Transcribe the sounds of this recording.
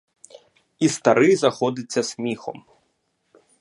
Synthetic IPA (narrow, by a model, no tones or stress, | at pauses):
ist̪ɐɾɪjzɐxɔd̪ɪt͡sʲːɐsʲmʲixɔ̰m